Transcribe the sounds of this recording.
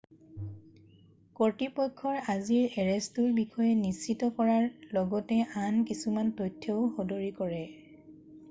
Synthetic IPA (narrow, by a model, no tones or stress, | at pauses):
koɹtipɔjkʰːɔɹaziɹɛɹɛstuɹbixʰɔjɛnisːitɔkɔɹaɹlɔɡɔtɛʔankisumantɔjtʰːɔʊxɔdoɹikɔɹɛ